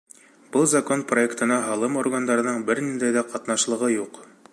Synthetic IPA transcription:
b̥ɤlˠzɐko̞npro̞e̞kt̪ɤ̆nɑɦɑlˠɤmo̞rɡand̪ɑɾɤ̆nɤɴbɘɾnind̪æjðæqɑt̪nɑʃlˠɤ̆ʁɤjuq

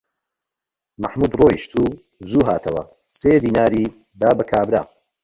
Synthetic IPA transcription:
mɐ̰ħmuːd̪roːjiʃt̪ʰuː | zuːɦaːt̪ʰɐwɐ̰ | seːd̪iːnaːɾiː | d̪aːbɐkʰaːbɾa̰ː

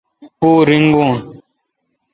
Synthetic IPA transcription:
uɾiŋ̩ɡun

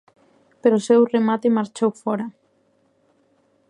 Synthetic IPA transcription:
peɾosewremat̪emaɾt͡ʃowfɔɾa

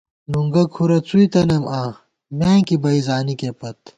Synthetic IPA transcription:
nuŋɡɐkʰuɾɐt͡suit̪ɐnɐmʔaː | mẽːkibɐizaːnikepɐt̪

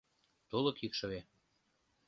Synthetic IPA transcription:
t̪ulɤ̆kikʃɤ̆βe

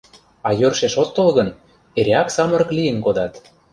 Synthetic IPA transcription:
ɑjørʃeʃot̪ːɤlɣən | eɾʲeɑksɑmɤ̆ɾɤ̆klijə̆nkod̪ɑt̪

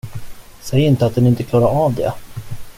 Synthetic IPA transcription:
sɛjːɪnt̪əat̪̚d̪ɛnɪnt̪əkʰlɑːɾaɾaːvd̪ɛ̰

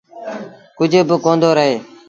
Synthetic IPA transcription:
kʊd͡ʒʱbəkoːnd̪oːɾəɦeː

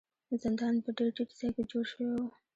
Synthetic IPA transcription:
zɪnd̪ɑnpəɖelʈiʈzɑjked͡ʒoʃwe

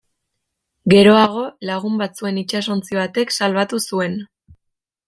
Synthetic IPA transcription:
ɡe̞ɾo̞aɣ̞o̞laɣ̞umbat͡sue̞nit͡ʃaso̞nt͡siβat̪e̞ksalβat̪usue̞n

